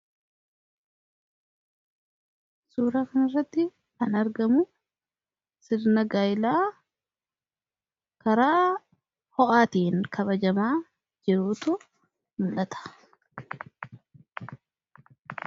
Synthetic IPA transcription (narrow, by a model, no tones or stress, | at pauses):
suːɾaːkɐnɪrːɐt̪ːɪ | kɐnɐɾɡɐmʊ | sɪɾnɐɡaːjlaː | kɐɾaː | hɔʔaːt̪iːŋkʰɐβɐd͡ʒɐmaː | d͡ʒɪɾuːt̪ʊ | mʊlʔɐt̪ɐ̥